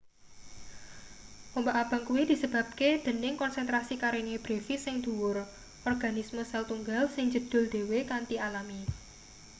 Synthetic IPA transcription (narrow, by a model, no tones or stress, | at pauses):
ʔɔmbaʔab̥a̤ŋkuwid̪̥i̤səb̥ä̤b̚ked̪̥ə̤nɪŋkɔnsɛnt̪ɾasikaɾeneb̥ɾefisɪŋd̪̥ṳwʊr | ʔɔrɡ̥anisməsɛlt̪uŋɡalsɪŋd͡ʒəd̪̥ʊ̤ld̪̥e̤wekant̪ialami